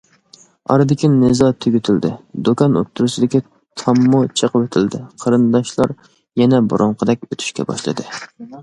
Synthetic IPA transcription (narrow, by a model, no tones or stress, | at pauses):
ɑ̰ɾɨd̪ɪkʲinɨzɑt̪ʰøɡʲyt̪ʰɪld̪ɪ̰d̪okɑno̰t̪ʰːuɾusɨd̪ɪkʲi | t̪ʰɑmːut͡ʃʰəqwøt̪ʰɪld̪ɪqʰəɾɨnd̪ɑʃlˠɑɾ | jɛnɛbṵɾʊɴqʰəd̪ɛkʲøt̪ʰy̥ʃkʲɛ̰bɑ̰ʃlˠɨ̰d̪ɨ